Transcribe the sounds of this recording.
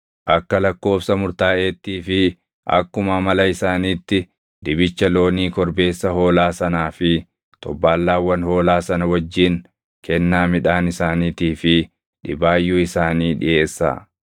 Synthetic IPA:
ʔɐkːɐlɐkːo̞ːfsɐmʊɾt̪aːʔeːt̪ːiːfɪ | ʔɐ̰kːʊmɐmɐlɐɪsaːniːt̪ːɪ | d̪ɪbɪt͡ʃːɐlo̞ːniːkɔɾbe̞ːsːɐho̞ːlaːsɐnaːfɪ | t̪ɔbːaːlːaːwːɐnho̞ːlaːsɐnɐwɐd͡ʒːɪn | kɛnːaːmɪᶑaːnɪsaːniːt̪iːfɪ | ᶑɪbaːjːuːɪsaːniːᶑɪ̰ʔe̞ːsːa̰ː

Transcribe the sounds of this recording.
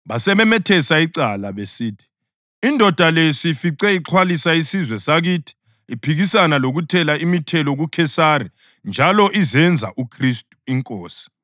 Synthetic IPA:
βasɛβɛmɛtʰɛsaiǀalaβesiːtʰi̥ | indʱɔd̥ʱalesifiǀɛiǁʰwalisaisizwɛsaɣiːtʰi̥ː | pʰiɣisanaloɣutʰɛlaimitʰɛlɔɣukʰɛsari | nd͡ʒʱalɔʔizɛnd͡zʱa̰ʔukʰristʼu̥iŋkʼɔːsi̥

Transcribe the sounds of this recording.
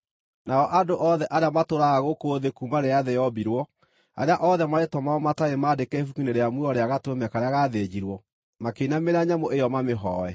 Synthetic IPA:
naɔʔadoʔɔðɛʔaɾeamatoɾaaɣokoðekumaɾeaðɛjɔbiɾwɔ | a̰ɾeaʔɔðɛmaetwɔmaɔmataemaːdekɛefukineɾeamweɔɾeaɣatomɛkaɾeaɣaðed͡ʒiɾwɔ | makeinameɾaɲamoʔejɔmameɦɔɛ

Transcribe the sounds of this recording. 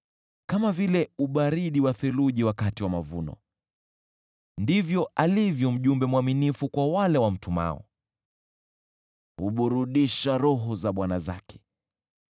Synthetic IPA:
kamavilɛuɓaɾiɗiwaθɛluʄiwakatiwamavṵnɔ̰ | ndivjɔʔalivjɔm̩ʄumbɛmwaminifukwawalɛwam̩tuma̰ɔ̰ | huɓuɾuɗiʃaɾɔɦɔzaɓwanaza̰kɛ̥

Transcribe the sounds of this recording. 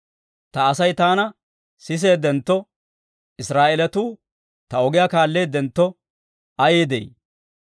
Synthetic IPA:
t̪ɐːsɐjt̪aːnɐ | sɪs̬e̞ːd̪ɛnt̪ːɔ | ɪsɾaːʔɛlɛt̪uː | t̪ɐɔɡɪjakaːlːe̞ːd̪ɛnt̪ːɔ | ɐjeːd̪ḛj

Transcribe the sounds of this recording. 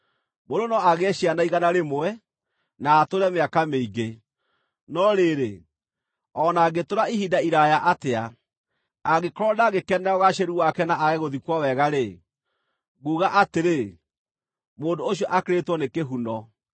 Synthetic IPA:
moɾonɔaɣeɕianaiɣanaɾemoɛ | naːtoɾɛmeakameiɡe | nɔɾeɾe | ɔnaːɡetoɾaihidaiɾajaʔatea | aɣekɔɾɔdaɣekɛnɛɔɣaʃeɾuwakɛnaaɣeɣoðikwɔwɛɣaɾe | ɣuːɣaʔateɾe | moːndoːɕiɔʔakeɾetwɔnekeɦunɔ

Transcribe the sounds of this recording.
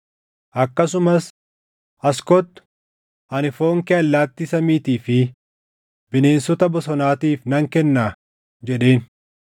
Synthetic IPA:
ʔɐkːɐsʊmɐs | ʔɐskɔt̪ːʊ̥ | ʔɐnɪfoːŋkɛɐlːaːt̪ːisɐmiːt̪iːfɪ | bɪne̞ːnsɔt̪ɐbɔsɔnaːt̪iːfnɐŋkɛnːaː | d͡ʒɛᶑe̞ːn

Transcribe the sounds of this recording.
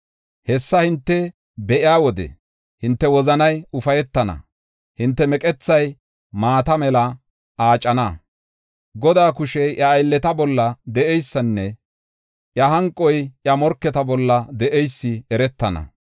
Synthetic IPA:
hɛsːɐhɪnt̪ːɛ | bɛʔɪaːwɔd̪ɛ̰ | hɪnt̪ːɛwɔzɐnɐjʊfɐjɛt̪ːɐnɐ̰ | hɪnt̪ːɛmɛkʼɛt͡sːɐj | maːt̪ɐmɛlɐ | aːt͡ʃʼːɐnɐ | ɡɔd̪aːkʊʃɛjʔɐːjlːɛt̪ɐbɔlːɐd̪ɛʔɛjsːɐnːɛ | ʔjɐɦɐŋkʼːɔjʔjɐmɔɾkːɛt̪ɐbɔlːɐd̪ɛʔɛjsːɪɛɾɛt̪ːɐnɐ̰

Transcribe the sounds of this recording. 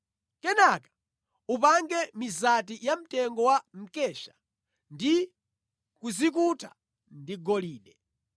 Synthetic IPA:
kɛnakḁ | upaŋɡɛmizat̬ijam̩tɛŋɡɔwam̩kɛʃḁ | ndi | kuzik̬uta | ndiɡɔliːɗɛ

